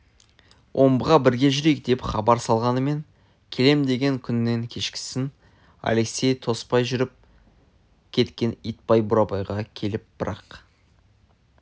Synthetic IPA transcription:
wʔo̞mbəʁɑbɪɾɡʲe̞ʒʏɾejk̚d̪e̞pχɑbɑɾsɑlˠʁɑnəme̞ŋ | kʲʰe̞le̞md̪e̞ɡʲe̞ŋkʲʰʏnːe̞ŋkʲʰe̞ʃkʲɪ̥sɪn | a̰leksʲe̞jt̪ʰo̞spɑjʒʏɾɪp̚ | kʲʰe̞t̪kʲe̞nijt̪̚pɑjbʊɾɑpɑjʁɑkʲʰe̞lɪp̚b̥ɪɾɑ̰q

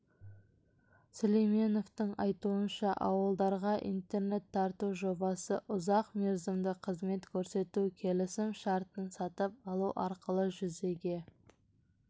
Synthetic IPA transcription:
solejme̞no̞ft̪əɴɑjt̪uənʃɑʔɑ̰wəlˠd̪ɑɾʁɑʔḭnt̪e̞ɾne̞t̪ʰːɑɾt̪uʒo̞bɑsəʔʊzɑqmeɾzɪmd̪ɪqʰəzme̞t̪kʲʰɵɾse̞t̪ukʲʰe̞lɪsɪmʃɑɾt̪ənsɑt̪əp̚ɑlˠuʔɑɾqəlˠəʒʏze̞ɡʲe̞

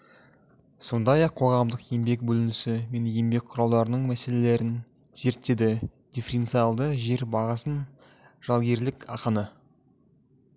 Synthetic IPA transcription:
so̞nd̪ɑjɑqʰːo̞ʁɑmd̪əqje̞mbe̞k̚bɵlɪnɪsɪme̞nje̞mbe̞k̚ʲqʰʊɾɑlˠd̪ɑɾənəɴmæse̞le̞le̞ɾɪn | z̥e̞ɾt̪ːe̞d̪ɪd̪̥ʲefʲeɾe̞nt̪sijalˠd̪əʒe̞ɾbɑʁɑsən | ʒ̥ɑlˠɡʲe̞ɾlɪkɑqənə

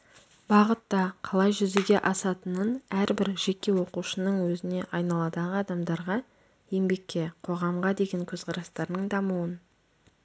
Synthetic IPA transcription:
bɑʁət̪ːɑqʰɑlˠɑjʒʏzeɡʲe̞ʔɑsɑt̪ənənæɾbɪɾʒe̞kʲːe̞wo̞quʃənəɴwɵzɪne̞ʔɑjnɑlˠɑd̪ɑʁəɑd̪ɑmd̪ɑɾʁɑ | je̞mbe̞kʲːe̞qʰo̞ʁɑmʁɑd̪e̞ɡʲe̞ŋkʲʰɵzqʰɑɾɑst̪ɑɾd̪əɴd̪ɑmuwən

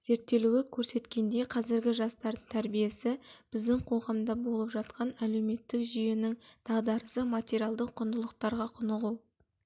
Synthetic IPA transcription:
z̥e̞ɾt̪ːe̞luɪkʲʰɵɾse̞t̪kʲe̞nd̪e̞qʰɑzɪɾɡʲɪʒɑst̪ɑɾd̪əɴt̪ʰæɾbije̞sɪb̥ɪzd̪ɪŋqʰo̞ʁɑmd̪ɑbo̞lˠəpʒɑt̪qɑnæle̞wme̞t̪ːɪkʒʏje̞nɪŋt̪ʰɑʁd̪ɑɾəsəmat̪ʲeɾijalˠd̪əqʰːʊnd̪əlˠəq̚t̪ɑɾʁɑqʰʊnəʁʊlˠ

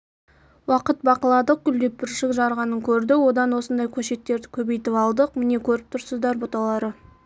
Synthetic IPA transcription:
wɑqət̪̚bɑqəlˠɑd̪əq̚ɡʲʏld̪e̞p̚bɪɾʃɪkʒɑɾʁɑnəŋkʲʰɵɾd̪ɪwo̞d̪ɑnwo̞sənd̪ɑjkʲʰɵʃe̞t̪ːe̞ɾd̪ɪkʲʰɵbe̞jt̪ɪpɑlˠd̪əqmɪne̞kʲʰɵɾɪp̚t̪ʰʊɾsəzd̪ɑɾbot̪ɑlˠɑɾə

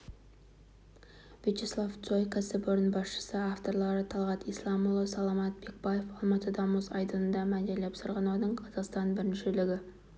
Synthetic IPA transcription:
vit͡ʃeslˠaft̪sojkʰæsɪbʊɾnbɑsʃə̥səaft̪o̞ɾlˠɑɾət̪ʰɑlˠʁɑt̪ijslˠɑmulˠəsɑlˠɑmɑt̪̚be̞k̚baje̞fɑlˠmɑt̪əd̪ɑməzɑjd̪ənənd̪ɑmæd̪elːepsəɾʁɑnɑd̪əɴqʰɑzɑqst̪ɑnbɪɾɪnʃelɪɡʲɪ

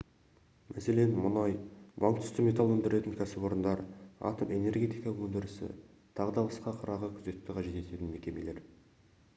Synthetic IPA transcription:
mʔæse̞le̞nmʊnɑjbɑŋkt̪ʰʏ̥st̪ɪme̞t̪ɑlˠɵnd̪ɪɾe̞t̪ɪŋkʲʰæsɪbwo̞ɾənd̪ɑɾɑ̰t̪ome̞ne̞rɡʲe̞t̪ijkɑɵnd̪ɪɾɪsɪ̰ | t̪ʰɑʁd̪ɑlˠəsqɑqʰɑɾɑʁəkʲʰʏze̞t̪ːɪqʰɑʒe̞t̪e̞t̪e̞t̪ɪnme̞kʲe̞me̞le̞ɾ

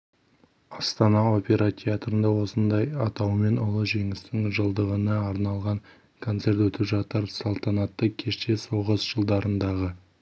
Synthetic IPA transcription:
ɑst̪ɑnɑo̞pʲe̞ɾat̪ʲʰeat̪rənd̪ɑwo̞sənd̪ɑjɑt̪ɑwme̞nʊlˠəʒe̞ŋɪst̪ɪŋʒəlˠd̪əʁənəɑɾnɑlˠʁɑŋ | kʰo̞nt̪se̞rt̪wɵt̪ɪpʒɑt̪əɾsɑlˠt̪ɑnɑt̪ːəkʲʰe̞ʃt̪e̞so̞ʁəzʒəlˠd̪ɑɾənd̪ɑʁə

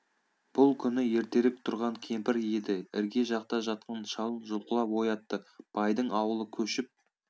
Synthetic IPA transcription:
b̥ʊlˠkʲʰʏnɪje̞ɾt̪e̞ɾɪk̚t̪ʰʊɾʁɑŋkʲʰe̞mpɪɾjed̪ɪɪɾɡʲe̞ʒɑqt̪ɑʒɑt̪̚qɑnʃɑlˠənʒʊlˠqəlˠɑpwo̞jɑt̪ːəb̥ɑjd̪əɴɑwəlˠəkʲʰɵʃɪp̚

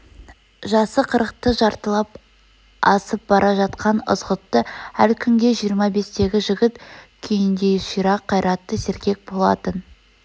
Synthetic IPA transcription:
ʒɑsəqʰəɾəq̚t̪əʒɑɾt̪əlˠɑp̚ | ɑsəp̚bɑɾʔɑʒɑt̪qɑnʊ̰zʁət̪ːəælkʲʰʏŋɡʲe̞ʒijəɾmɑbe̞st̪e̞ɡʲɪʒɪɡʲɪt̪kʲʰejɪnd̪e̞jʃijɾɑqʰːɑjɾʔɑt̪ːəseɾkʲe̞k̚bolˠɑ̰t̪ən

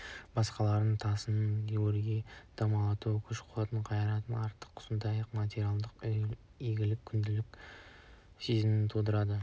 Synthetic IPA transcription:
bɑsqɑlˠɑɾənt̪ʰɑsənnt̪eoɾiɡʲed̪̥ɑmɑlˠɑt̪ukʲʰʏʃqʰʊɑt̪əɴqʰɑjɑɾɑt̪ənɑɾt̪ə̥qʰʊ̥sənd̪ɑjəqmat̪ʲeɾijalˠd̪əq | eɡʲɪlɪkʲʰʏnd̪ɪlɪkʲ | sezɪmɪnt̪ʰud̪əɾɑd̪ə

